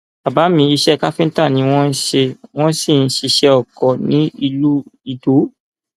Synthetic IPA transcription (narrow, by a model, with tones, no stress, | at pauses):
a˨ba˨˦mĩ˧i˧ʃɛ˦ka˦fĩ˦ta˦˨nĩ˨˦w̃ɔ̃˦n̩˦ʃe˧w̃ɔ̃˦si˦˨n̩˦ʃi˧ʃɛ˧ɔ˦˨kɔ˨nĩ˦i˧lu˦i˧do˨˦